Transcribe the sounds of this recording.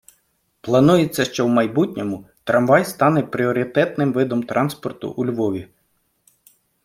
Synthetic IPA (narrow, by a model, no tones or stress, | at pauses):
plˠɐnujet͡sʲːɐʃt͡ʃɔwmɐjbutʲnʲɔmʊt̪ɾɐmʋɑjst̪ɑnɛpɾʲiɔɾʲɪt̪ɛt̪nɪmʋɪd̪ɔmt̪ɾʔɑnspɔrt̪ʊ̰ʔulʲʋɔʋʲi